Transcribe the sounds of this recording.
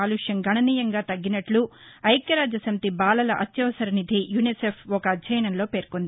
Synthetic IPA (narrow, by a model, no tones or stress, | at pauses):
aːluʂjɐŋɡʱɐɳɐniːjɐŋɡaːt̪ɐɡːinɐʈlu | ɐjkjɐɾaːd͡ʒɐsɐmt̪ibaːlɐlɐʔɐt̪jɐʋɐsɐɾnid̪ʱijunisepʰɔkɐɐdd͡ʒʱɐjɐnɐnlo̞ːpe̞ːɾkond̪i